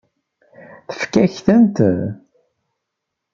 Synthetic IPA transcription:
θə̥fkæçθənt̪ð

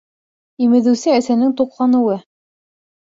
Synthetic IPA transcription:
imɘ̆ðɘ̆wsɘæsænɘŋt̪uqlˠɑnɤ̆wɤ

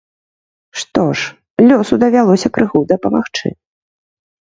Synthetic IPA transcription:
ʂt̪ɔʂ | lʲɔsud̪ɐvʲalˠɔsʲɐkɾɨɣud̪ɐpɐmaxt͡ʂɨ̰

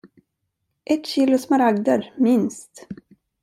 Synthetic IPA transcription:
ʔɛt̪ɕiːlʊsmaɾaɡd̪əɾmɪnst̪

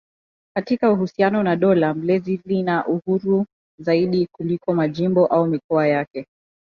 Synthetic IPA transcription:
katikauhusianɔnaɗɔlam̩lɛzilinaʔuhuɾu | zaiɗikulikɔmaʄimbɔʔaumikɔajakɛ

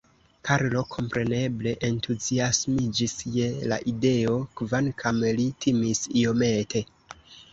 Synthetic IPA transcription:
kaɾlo̞kʰo̞mpɾe̞ne̞ble̞ʔentuziasmid͡ʒisje̞la̰ʔide̞o̞kvankʰamlitʰimisio̞me̞tʰe̞

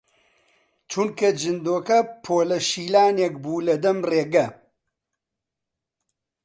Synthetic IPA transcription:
t͡ʃʰunkɐd͡ʒɨnd̪oːkɐpʰoːlɐʃiːlaːnek̚buːlɐd̪ɐmreːɡɐ

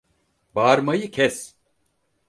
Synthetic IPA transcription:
baːɾmajɯcʰɛs

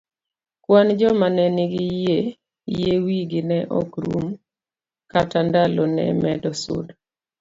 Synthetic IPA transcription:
kwand͡ʒɔmanɛnɪɡɪjje | jewiɡɪnɛʔɔ̰kɾṵm | katandalɔnɛ̰mɛdɔsʊ̰d

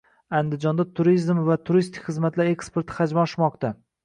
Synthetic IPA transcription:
and̪ɪd͡ʒɒnd̪at̪ʰʊɾizmvat̪ʰʊɾist̪ʰɪ̥kʲχɨzmat̪laɾe̞kspe̞ɾt̪ʰɪ̥χad͡ʒmaɒʃmɒqt̪a

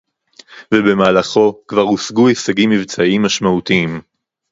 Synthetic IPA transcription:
vebe̞maːlaχo̞kvaʁusɡuesaɡimːivt͡saimːaʃmaut̪iim

